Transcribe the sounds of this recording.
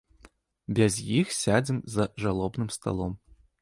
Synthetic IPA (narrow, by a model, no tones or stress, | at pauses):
bʲazʲjixsʲad͡zʲimzɐʐalˠɔbnɨmst̪a̰lˠɔm